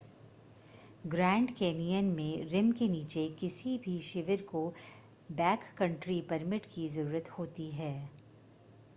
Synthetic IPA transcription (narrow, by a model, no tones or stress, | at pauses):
ɡɾɛ̃ːɳɖkeːnijənmẽɾɪmkeniːt͡ʃekɪsibʱiʃɪʋəɾko | bɛːkːɐ̃ɳʈɾipɐɾmɪʈkizɐɾuːɾət̪hoːt̪iɦɛː